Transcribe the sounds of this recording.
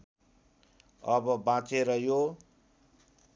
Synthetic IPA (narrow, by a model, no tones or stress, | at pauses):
ʌbʌbãt͡seɾʌjo